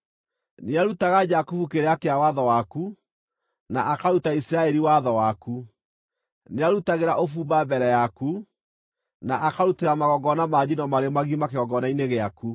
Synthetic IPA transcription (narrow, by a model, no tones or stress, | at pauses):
neaɾutaɣad͡ʒakufukeɾeakeawaðɔwaku | naʔakaɾutaisɾaɛɾiwaðɔwaku | neaɾutaɣeɾaʔofuːbabɛɾɛjaku | naʔakaɾuteɾamaɣɔɡɔnamad͡ʑinɔmaɾemaɣimakeɣɔɡɔnaineɣeaku